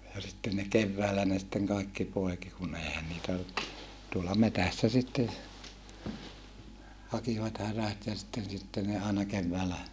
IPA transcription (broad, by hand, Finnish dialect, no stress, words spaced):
jɑ sitːen ne keʋːæːlæ ne sitːeŋ kɑekːi poeki kun eihæn niːtæ tuolɑ metæsːæ sitːen hɑkiʋɑt hæræt jɑ sitːen sitːen ne ɑenɑ keʋːæːlæ